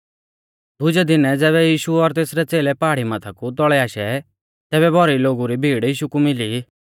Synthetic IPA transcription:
d̪ʊd͡ʒɛd̪ɪnɛd͡zɛːβɛjiːʃuɔɾt̪eːsɾɛt͡seːlɛpaːɽimat̪ʰakut̪ɔɭɛaːʃɛ | t̪ɛːβɛbʱɔɾiloːɡuɾibʱiːɽiːʃukumɪli

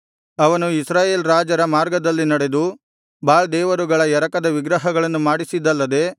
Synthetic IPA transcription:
ɐʋɐnuisɾaːje̞ːlɾaːd͡ʒɐɾɐmaːɾɡɐd̪ɐlːinɐɽe̞d̪u | baːɭd̪ɛːʋɐɾuɡɐɭɐjɛɾɐkɐd̪ɐʋiɡɾɐɦɐɡɐɭɐnːumaːɽisid̪ɐlːɐd̪e̞

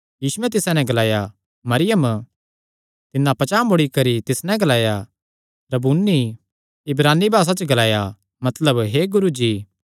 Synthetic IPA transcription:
jiːsuɛt̪̬ɪsãnɛ̃ɡɐlaːja | mɐɾɪjəm | t̪ɪnːãpɐt͡ʃaːmʊɽikɐɾit̪ɪsnɛ̃ɡɐlaːja | pɾɐbuːnːi | ɪbɾaːnːibʱaːs̬at͡ʃəɡɐlaːja | mɐt̪ləbɦeɡʊɾud͡ʒiː

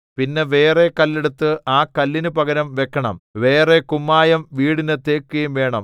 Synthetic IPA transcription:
pinːe̞ʋe̞ːre̞kɐlːeɽut̪ːɨʔaːkɐlːinupɐɣɐɾɐmʋe̞kʰːɐɳɐ̰mʋe̞ːre̞kumːaːjɐmʋiːɽinɨt̪eːkːuɐjumʋe̞ːɳɐ̰m

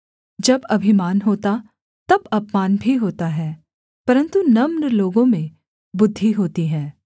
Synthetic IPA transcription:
d͡ʒɐbɐbʱimaːnɦoːt̪a | t̪ɐbɐpmaːnbʱiɦoːt̪aɦɛː | pɐɾə̃nt̪unɐmnloːɡõmẽ | bʊd̪ʱːiɦoːt̪iɦɛ̃ː

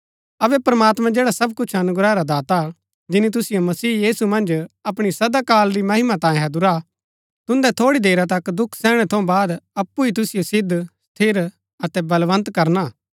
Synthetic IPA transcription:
ɐʋɛpɾɐmaːt̪mãd͡ʒeːɽasɐb̚kʊt͡ʃʰɐnʊɡɾaːeɾad̪aːt̪a | d͡ʒɪnit̪̬ʊsɪjomɐsiːjiːsumɐ̃nd͡ʒɐpɽ̃isɐd̪akaːlɾimɐɦɪmat̪ãːjẽɦɐd̪ʊɾa | t̪ʊ̃nd̪ɛt̪ʰoːɽid̪eːɾat̪̬ɐkd̪ʊkʰsɛːɽ̃ɛt̪ʰõbaːd̪ɐpːuit̪ʊsɪjosɪd̪ʱst̪ʰɪɾ | ɐt̪ɛbɐlʋɐ̃nt̪kɐɾnaː

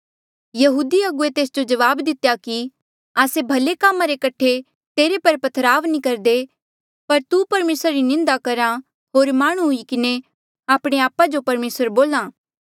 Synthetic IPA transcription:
jɐɦuːd̪iɐɡʊet̪eːsd͡ʒod͡ʒɐʋaːbd̪ɪt̪jaki | aːsebʱɐlekaːmãɾekɐʈʰːe | t̪eːɾepɐɾpɐt̪ʰɾaːʋnĩkɐɾd̪e | pɐɾt̪upɐɾmeːsɾaɾinɪ̃nd̪akɐɾa | ɦoːɾmaːɽ̃ũɦʊikɪne | aːpɽ̃eaːpad͡ʒopɐɾmeːsəɾboːlãː

